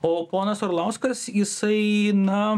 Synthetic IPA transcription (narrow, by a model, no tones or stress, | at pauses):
oːpoːnɐsoːɾlˠɐʊskɐsjɪsɐɪnɐ